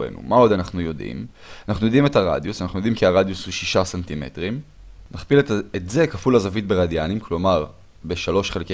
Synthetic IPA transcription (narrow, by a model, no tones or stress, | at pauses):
ḛnṵmao̞d̪anaχnujo̞d̪ḭm | anaχnujo̞d̪ime̞t̪aʁa̰d̪jusanaχnujo̞d̪imkiaʁad̪jusuʃiʃasant̪ime̞̰tʁim | naχpiletze̞kafulazavit̪̚beʁadjanimklo̞maʁ | be̞ʃalo̞ʃχe̞lke